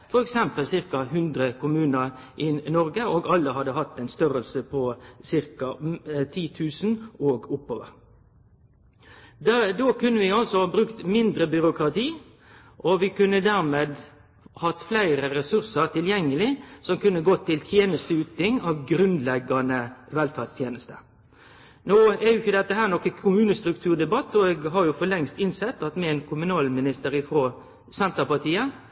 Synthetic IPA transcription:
fɔɾɛksɛmpəlsɪɾkɑɦʉnd̪ɾəkʰʊmʉːnəɾʔɪnɔɾɡəoːɡɑlːəɦɑd̪əɦɑt̪ːɛnst̪œɾəlsəpʰɔsɪɾkɑt̪ʰiːt̪ʰʉːsnoːɡʊpːoːʋə̰ɾ | d̪oːkʉnːəʋɪɑlsɔɑːbɾʉkt̪mɪnd̪ɾəbʏɾʊkɾɑt̪ʰiː | ʔɔʋɪkʉnːəd̪æɾmeːd̪ | hɑt̪ːflæɪɾəɾɛsʉɾsəɾt̪ʰɪljɛŋːəlɪsɔmkʉnːəɡɔt̪ʰːɪlt̪ʰjeːnəst̪əʉːt̪nɪŋɑʋɡɾʉnd̪lɛɡɑnəɪʋɛlfæʁst̪ʰjeːnəst̪ə | noːɛjʊɪçəd̪ɛt̪ːəɦæːɾnɔkːəkʰʊmʉːnəst̪ɾʉk̚t̪ʰʉːɾd̪ɛbɑt̪ːɔɛɡɦɑɾjʊfɔlɛŋst̪ɪnsɛt̪ːɑt̪mɛɛɪnkʰʊmʉnɑːlmɪnɪst̪əɾɪfɾoː | sɛnt̪əpɑt̪iːə

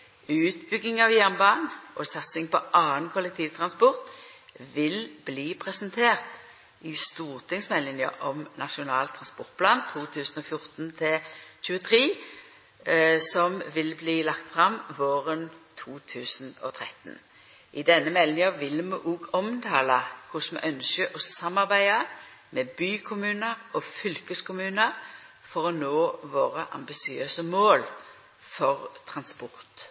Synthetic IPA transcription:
ʉːt̪bʏɡːɪŋɑʋjæʁnbɑːʁnʔɔsɑt̪sɪŋpɔʔɑːənkʰʊlːɛk̚t̪ʰiːʋt̪ʰʁɑnspɔʁt̪ʋɪlbliːpʰʁɛsənt̪ʰeːʁt̪ | ɪst̪uːʁt̪ʰɪŋsmɛlːɪnjə̰ʔɔmnɑʂʊnɑːlt̪ʰːʁɑnspɔʁt̪̚pʰlɑːnt̪ʰuːt̪ʰʉːsn̩ɔfjʊʁt̪nt̪ʰɪlçʉːət̪ʰʁiː | sɔmʋɪlbliːlɑkt̪fʁɑmʋoːʁənt̪ʰuːt̪ʰʉːsn̩ɔ̰t̪ʰʁɛt̪n | ʔɪd̪ɛnːəmɛlnɪŋəʋɪlːmuːʔuːɡɔmt̪ʰɑːləkʰʊsmɛ̰ʔœnskəʔɔsɑmːɑʁbæɪə | mɛbyːkʰʊmʉːnəʁɔfʏlkəskʊmʉːnəʁfɔʁɔnoːʋoːʁəʔɑ̰mbɪsɪøːsəmoːl | fɔʁt̪ʰʁɑnspɔʁt̪

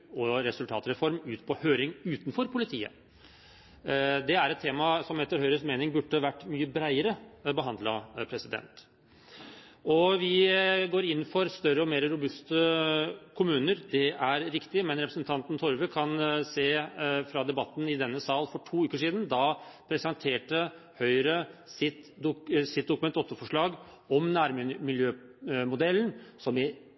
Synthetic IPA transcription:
ɔɾɛsʉlt̪ʰɑ̰ːt̪ɾɛfɔɾmʉːt̪pʰɔhøːɾɪŋʉːt̪n̩fɔɾpʰʊlɪt̪ʰiːə̰ | d̪ɛæɾɛt̪ʰːeːmɑsɔmɛt̪ːəɾhœʏɾəsmeːnɪŋbʉɖːəʋæʈːmyːəbɾæɪəɾəbəɦɑnd̪lɑ̰pʰɾɛsɪd̪ɛ̰nt̪ | ɔʋɪɡoːɾɪnːfɔɾst̪œrəɔmeːɾɾʊbʉst̪əkʰʊmʉːnəɾd̪ɛʔæɾɾɪkt̪ɪmɛnɾɛpɾəsnt̪ʰɑnt̪nt̪ʰɔɾʋəkʰɑnseːfɾɑd̪ɛbɑt̪ːn̩ɪd̪ɛnːəsɑːlfɔʈʰuːʉːkəʂiːd̪n̩d̪ɑpʰɾɛsɑnt̪ʰeːʈə | hœʏɾəsɪt̪sɪt̪̚d̪ʊkʉmɛt̪ɔt̪ːəfɔʂɭɑːɡ | ɔmnæːɾmmɪljøːmʊd̪ɛlːnsɔmɪ

